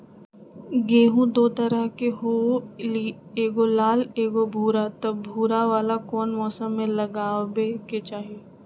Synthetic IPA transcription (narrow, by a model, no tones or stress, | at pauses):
ɡeːɦũd̪oːt̪ɐɾəɦkeɦoieːɡolaːleːɡobʱuːɾat̪ɐbʱuːɾaʋaːlakɔːnmɔːsəmːẽlɐɡaːʋeket͡ʃaːɦijeː